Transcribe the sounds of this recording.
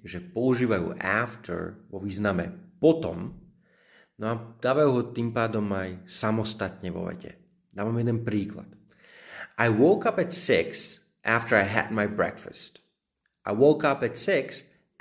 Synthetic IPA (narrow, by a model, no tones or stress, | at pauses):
ʒɛpɔuʒiːʋajṵːʔa̰ːft̪ʰɛ̰ɹʋɔʋiːznamɛ̰pɔt̪ɔ̰m | nɔad̪̥aːʋajuɦɔt̪iːmpaːd̪ɔmajsamɔst̪at̪ɲɛʋɔ̰ʋɛ̰cɛ̰ | d̪aːʋamjɛd̪ɛnpɾiːkla̰t̪ | ʔajwɔʊkapɛt̪sɪks | ʔaft̪əɹajɦɛ̰d̪majbɹɛ̰kfəst̪ | ʔa̰jwɔʊkapɛt̪sɪks